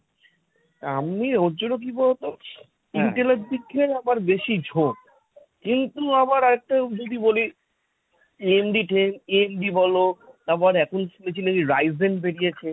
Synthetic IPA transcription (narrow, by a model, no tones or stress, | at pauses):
amiod͡ʑoɾok̬ibɔlot̪o | iɳʈeleʈ̚bikʰːeɾamaɾbeʃid͡ʑʱok | kint̪uamaɾɔɾek̚ʈad͡ʑod̪iboli | iemɖiʈʰeneemɖibɔlot̪aɾpɔɾɛkʰonsmet͡ɕineiɾajzenbeɽiet͡ɕʰe